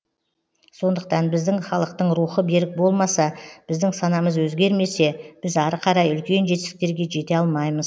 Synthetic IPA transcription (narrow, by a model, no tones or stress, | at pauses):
so̞nd̪əq̚t̪ɑnbɪzd̪ɪŋχɑlˠəq̚t̪əɴɾuχəbe̞ɾɪk̚bo̞lˠmɑsɑb̥ɪzd̪ɪŋsɑnɑməzwɵzɡʲe̞ɾme̞se̞b̥ɪzɑɾəqʰɑɾɑjʏlkʲe̞nʒet̪ɪsɪk̚t̪e̞ɾɡʲe̞ʒe̞t̪e̞ɑlˠmɑjməz